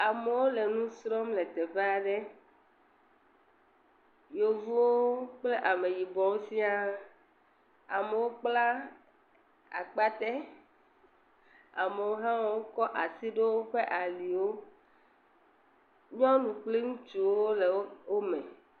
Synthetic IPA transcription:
a˨me˨wo˦le˨nũ˦sɾɔ˦mle˨t̪e˨ɸe˦a˨ɖe˦ | jo˨vu˦wo˦k͡ple˦ʔa˨me˨ji˨bɔ̃˨wo˦si˦a˦ | a˨me˨wo˦k͡pla˦ | a̰˨k͡pa˦t̪e˦ | a˨me˨wo˦ɦã˦wɔ˦wo˦kɔ˦ʔa˨si˦ɖe˦wo˦ɸe˦ʔa˨li˨wo˦ | ɲɔ̃˦nũ˨k͡pli˦ŋũ˦t͡ʃu˨wo˦le˨wwo˦mẽ˨

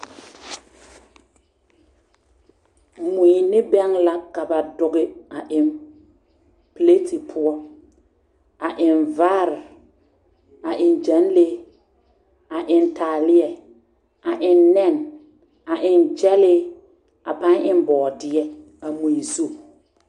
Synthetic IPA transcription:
mu˨i˨nɪ˦bɛ˦ŋla˦ka˨ba˨dʊ˨ɡɪ˨a˨ʔɪ˨n | ple˦tʰi˨pʰʊ˦ɔ˦ | a˨ʔɪ˨nvaː˦ɾɪ˨ | a˨ʔɪ˨nd͡ʒa˨˦n˦le˦ | a˨ʔɪ˨nta˨lɪ˦ɛ˨ | a˨ʔɪ˨nːɛ˦˨n | a˨ʔɪ˨nd͡ʒɛ˦lɪ˦ | a˨pa˦nʔɪ˦m˦bɔː˨dɪ˦ɛ˦ | a˨mu˨i˨zu˦˨

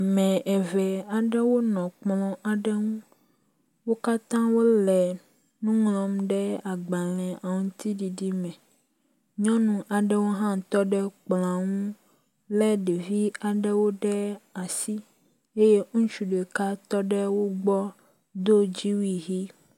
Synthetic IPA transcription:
mɛ̃˨ɛ˨vɛ˨a˨ɖɛ˦wo˦nɔ̃˨k͡plɔ̃˨ʔa˨ɖɛ˦ŋũ˦ | wo˦ka˦t̪ã˦wo˦lɛ˨ | nũ˦ŋlɔ̃˨mɖɛ˦a˨ɡ͡ba˨lɛ̃˨a˨ŋ̃˦t̪i˦ɖi˨ɖi˦mɛ̃˨ | ɲɔ̃˦nũ˨ʔa˨ɖɛ˦wo˦ɦã˦˨t̪ɔ˦ɖɛ˦k͡plã˨ŋũ˦ | lɛ˦ɖe˨vi˦a˨ɖɛ˦wo˦ɖɛ˦a˨si˦ | e˦je˦ŋũ˦t͡ʃu˨ɖe˨ka˦t̪ɔ˦ɖɛ˦wo˦ɡ͡bɔ˦ | d̪o˦d͡ʑi˦wi˦ɦi˦

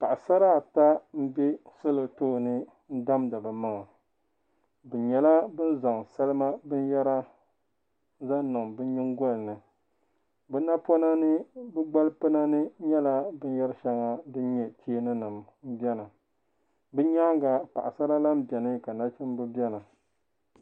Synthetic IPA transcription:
pa˨ʔa˨sa˦ɾa˦˨ta˦m̩˦bɛ˦sɨ˦lɨ˨toː˦˨nɨ˦ | n̩˦da˦mda˨bɨ˨ma˦ŋa˨ | bɨ˨ɲɛ˨la˦bɨ˦n˦za˨ŋsa˦lɨ˦ma˦bɨ˦n˦jɛ˦ɾa˦ | za˦nɨ˨mbɨ˦ɲɪ˦ŋɡɔ˦lnɨ˨ | bɨ˦na˦po˦na˦nɨ˦bɨ˦ɡ͡ba˦lpɨ˦na˦nɨ˦ɲɛ˦la˦bɨ˦n˦jɛ˦ɾɨ˦ʃɛ˦ŋa˨dɨ˦ɲɛ˦tʰi˦e˦nɨ˦nɨ˨mm̩˦bɛ˦na˨ | bɨ˦ɲa˦ŋɡa˨pa˨ʔa˨sa˦ɾa˦la˦m̩˦bɛ˨nɨ˦ka˨na˦t͡ʃɪ˦m˦bɨ˦bjɛ˦na˨

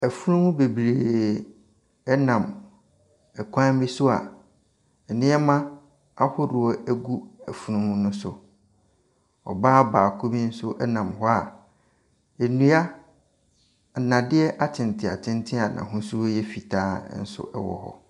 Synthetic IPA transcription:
æ˨fu˦ɾũ˦mũ˦be˨bɾeː˨ | ɛ˦nã˨m | ɛ˨kʷʰã˦m˦bi˦sʊ˦a̰˨ | nɪ̃˦ɛ˦mã˦ | a˦hɔ˦dʊ˨ɔ˦æ˦ɡu˦æ˨fu˦ɾũ˦mũ˦nʊ̃˦sʊ˨ | ɔ̰˨baː˦baː˨kʰo˦bi˦n̩˦sʊ˦ʔɛ˦nã˨mɦɔ˦a̰˨ | e˨nũ˦a˦˨ | nã˨dɪ˦ɛ˦ʔa˦tʰɪ̃˨n˨tʰɪ˨a˨tʰɪ̃˦ntʰɪ˦a˨nʔã̰˨ɦʊ̃˦su˦jɛ˦fi˨tʰaː˦n̩˦sʊ̰˦ʔɛ˦wɔ̰˨hɔ̰˦

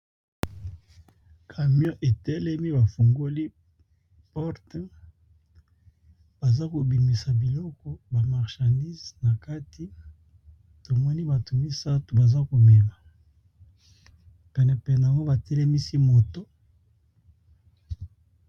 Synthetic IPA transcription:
kʰa˨mjɔ̃˦ʔe˨tɛ˦lɛ˦mi˦ba˨fo˨ŋɡo˦li˦ | pɔ˦ʁtɛ˦ | b̥a˨za˦ko˨bi˨mi˨sa˨bi˨lɔ˦kɔ˦ba˨ma˨ʁʃã˨ndi˦zna˨ka˦ti˦ | to˨mɔ˦ni˦ba˨to˨mi˦sa˦tu˨ba˨za˦ko˨me˨ma˨ | pɛ˨nɛ˨pɛ˨nɛ˨a˨ŋɡo˦ba˨tɛ˦lɛ˦mi˦si˦mo˨to˦

